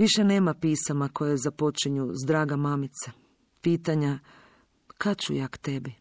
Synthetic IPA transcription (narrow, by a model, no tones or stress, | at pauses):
ʋiʃene̞ːmapiːsamako̞jezapo̞t͡ʃiɲuzd̪ɾaːɡamamit̪sa | piːt̪aɲa | kʰat͡ʃujakt̪e̞bi